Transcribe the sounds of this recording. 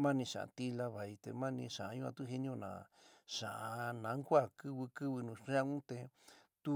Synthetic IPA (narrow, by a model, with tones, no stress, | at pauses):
mã˦nĩ˧ʂã̰˨ʔa̰˧t̪i˦la˧βa˨i˧t̪ḛ˧mã˦˧nĩ˧ʂã˨˧˦ɲũ˦ã̰˧t̪u˦ɦi˧nĩ˧õ˧˨nã̰ː˨ʂã˨ʔa˧nã˨˦ŋkʷa˦˨kɨ˦βɨ˧kɨ˦βɨ˧nũ˨ʂa˦˧ũ˦t̪e˧t̪u˦